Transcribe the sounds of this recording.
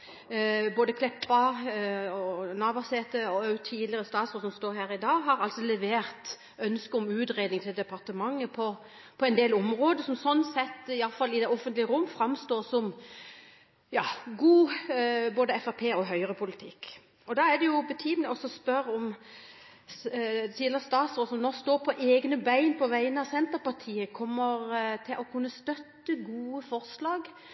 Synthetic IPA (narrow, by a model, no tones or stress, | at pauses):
boːd̪əkʰlɛpːɑ | ɔnɑʋɑseːt̪əɔœʉt̪ʰiːd̪lɪʁəst̪ɑːt̪soːsɔmst̪oːɾɦæːɾɪd̪ɑːɦɑɾɑlsɔlɛʋeːʁt̪ | œnskəɔmʉːt̪ʁeːd̪nɪŋt̪ʰɪld̪ɛpɑʁt̪əmɑŋːəpʰɔ | pʰɔɛnd̪eːlɔmʁoːd̪əsɔmsɔnːsɛt̪ːɪɑlfɑlːɪd̪ɛɔfənt̪lɪəɾʁʊmːfɾɑmst̪oːʁsɔm | jɑːɡuːboːd̪əɛfɑpʰeːɔɦœʏəɾəpʰʊlɪt̪ʰɪkː | ɔd̪ɑæd̪ɛjʊbət̪ʰyːmənəɔsɔspœɾɔm | t̪ʰiːləʁəst̪ɑːt̪sʁɔsɔmnɔʁst̪oːɾpʰɔʔeːɡnəbæɪnpʰɔʋæɪənəɑʋsɛnt̪əɾpɑʁt̪ʰiːəkʰɔmːəɾt̪ʰɪlʔɔkʰʉnːəst̪œt̪ːəɡuːəfɔɾslɑːɡ